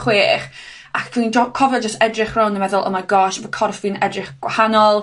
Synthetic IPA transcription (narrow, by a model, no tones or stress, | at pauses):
χweːχ | akʰind͡ʒɔkʰɔvɛlˠd͡ʒəstɛdrɪχrawnəmɛðʊlˠə̰maɡɔːʃvəkʰɔrfvɨnɛdrɪχɡ̥wa̰hanɔlˠ